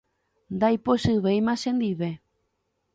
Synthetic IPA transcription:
nd̪ajpoʃɨβejmãʃẽnd̪iβe

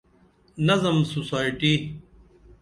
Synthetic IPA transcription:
nɐzɐmsusaːjʈi

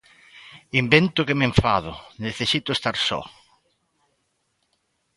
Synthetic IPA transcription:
imbent̪ʊkemẽɱfaðʊneθesit̪ʊest̪aɾsɔ̰

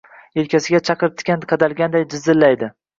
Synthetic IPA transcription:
elkʲʰasɪɡʲat͡ʃʰɑqɨɾt̪ʰkʲanqʰɑd̪alɡʲand̪ajd͡ʒɪzːɪlːajd̪ɪ

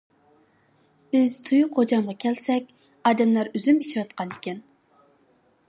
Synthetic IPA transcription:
b̥ɪzt̪ʰujuqʰod͡ʒɑmʁɑkʲʰɛlsɛkʲ | ɑːd̪ɛmlæɾyzymit͡ʃʰwɑt̪qʰɑnɪkʲɛn

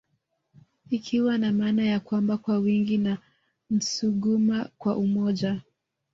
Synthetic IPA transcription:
ikʰiwanamaːnajakwambakwawiŋɡina | m̩suɠumakwaʔumɔʄa

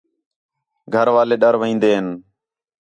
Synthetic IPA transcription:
ɡʱəɾʋaːleːɗəɾʋəĩːnd̪eːɦən

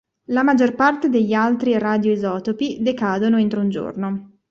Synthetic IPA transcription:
lamad͡ʒorpart̪ed̪eʎːialt̪ɾirad̪joizɔːt̪opid̪ekaːd̪onoent̪ɾeund͡ʒo̰rno

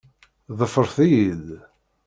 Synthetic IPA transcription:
ðˤəfəɾˤθijil

